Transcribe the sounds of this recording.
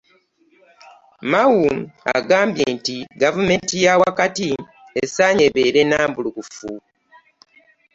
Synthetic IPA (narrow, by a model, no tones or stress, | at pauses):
mawua̰ɡaːmbjeːntiɡavume̞ːntijawakati | esaɲe̞βeːɾe̞naːmbulukufu